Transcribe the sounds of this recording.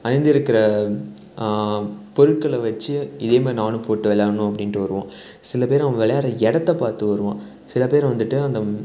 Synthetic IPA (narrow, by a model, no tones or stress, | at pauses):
ɐnɪnd̪ɪɾɯkːɪɾɐ | pɔɾɯʈ̚kɐɭʋɐt͡ʃːɯɪðeːmeːnaːnɯpoːʈːɯʋɛlaːɾɐnʊ̃ɐpːɐɽɪnʈːɯʋɐɾɯʋõː | sɪlɐpeːɾɐʋɐ̃ʋɛɭɐjaːɾɐɛɽɐt̪ːɐpaːɾt̪ɯʋɐɾɯʋõ̰ː | sɪlɐpeːɾʋɐnd̪ɯʈːɯɐnd̪ɐ